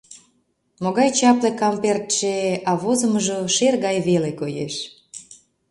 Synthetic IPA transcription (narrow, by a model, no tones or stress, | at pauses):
moɣɑjt͡ɕɑplekɑmpert̪ʃeɑβozə̆məʒoʃerɣɑjβelekojḛʃ